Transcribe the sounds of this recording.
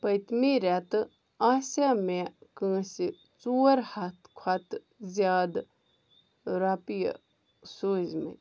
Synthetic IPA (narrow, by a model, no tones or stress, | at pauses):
pɐjt̪miɾɛt̪ | aːsamekə̃ːsi | t͡suːɐɾhat̪ʰkʰwat̪ | zjaːd̪ | ɾapij̰ | soːzmḛ̃